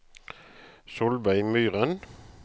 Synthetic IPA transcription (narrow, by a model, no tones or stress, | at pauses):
sʊlbæɪmyːʁən